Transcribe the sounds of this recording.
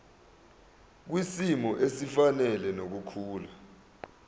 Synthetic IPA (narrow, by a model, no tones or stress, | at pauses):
k̬wisimɔʔesifanɛlɛnok̬ukʰuːla